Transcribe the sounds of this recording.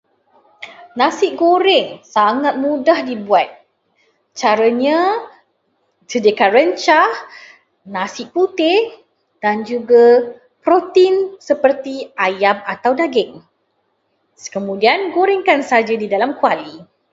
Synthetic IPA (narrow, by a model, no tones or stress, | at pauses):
nãsɪʔ̚ɡoɾɪŋsaŋat̪̚mũdahdibuat̪̚ | t͡ʃaɾaɲã | sədekanrəɲt͡ʃah | nãsɪʔput̪ɪ | d̥and͡ʒuɡa | pɾot̪insəpərt̪iajamat̪awdaɡɪŋ | kəmũdianɡoɾɪŋkansd͡ʒadidalamkuali